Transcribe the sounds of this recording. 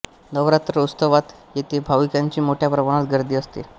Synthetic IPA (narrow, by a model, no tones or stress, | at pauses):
nəʋɾat̪ɾəust̪əʋat̪jet̪ʰebʱaʋikãɲt͡ɕiːmoʈʰjapɾəʋəɽ̃at̪ɡəɾd̪iːəst̪ḛ